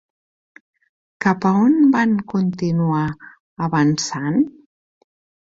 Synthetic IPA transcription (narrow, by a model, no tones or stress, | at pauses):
kapəonbaŋkunt̪inua | əβənsan